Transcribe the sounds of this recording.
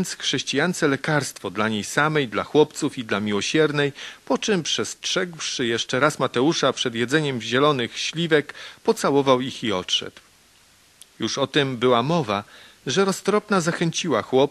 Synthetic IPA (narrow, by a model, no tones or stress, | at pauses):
nt̪sxʂɛɕt͡ɕijant̪sɛlɛkaɾst̪fɔd̪laɲejsamɛjd̪laxwɔpt̪sufid̪lamʲiwɔɕɛɾnɛjpɔt͡ʂɨmpʂɛstʂɛɡwʂɘjɛʂt͡ʂɛɾasmat̪ɛuʂapʂɛd̪jɛd̪zɛɲɛmʑɛlɔnɘxɕlʲivɛkpɔt̪sawɔvawixiɔtʂɛ̰d̪w | juʂɔt̪ɛmbɘwamɔva | ʐɛɾɔst̪ɾɔpnazaxɛɲt͡ɕiwaxwɔ